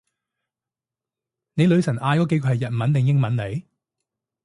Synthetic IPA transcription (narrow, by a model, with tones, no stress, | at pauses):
ne˨˧jlɵ˨˧ɥsɐ˨˩ʔaː˧jkɔː˨˥ke˧˥jkʰɔː˨˧˩hɐ˨jɐ˨t̚mɐ˨˥nt̪ɛ˨ŋjɪ˥ŋmɐ˨˥nle˨˧j